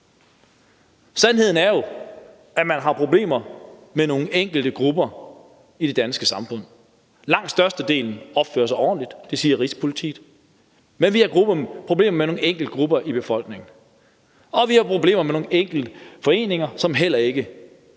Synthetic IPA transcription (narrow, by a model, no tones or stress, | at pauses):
sænɦe̝ð̰ˠn̩æɐjo̝ | æmænɦɑ̈pʰʁo̝b̥le̝̰ːmɐmeno̝ːŋ̩eŋ̰ɡ̥l̩d̥əɡ̥ʁub̥ɐ | id̥e̝d̥ænsɡ̥əsɑ̈mfɔ̽n̰ | lɑ̈ŋ̰d̥sd̥ɶɐsd̥əd̥e̝̰ːln̩ɒ̽b̥fø̰ːɐsɑ̈ɪɒ̰ːnlid̥d̥e̝siːɐʁispʰo̝lit͡sʰḭ̥ː | menʋihɑɡ̥ʁubpʰʁoble̝̰ːmɐmeno̝ːŋn̩eŋ̰ɡ̥l̩d̥̚ɡ̥ʁub̥ɐʔib̥e̝fɒ̽l̰ɡ̥ne̝ŋn̩ | ɒ̽ʋihɑ̈pʰʁo̝b̥le̝̰ːmɐmeno̝ːŋn̩eŋ̰ɡ̥l̩d̥əfɒ̽e̝̰ːne̝ŋɐsɒ̽mɦel̰ɐe̝ɡ̥ə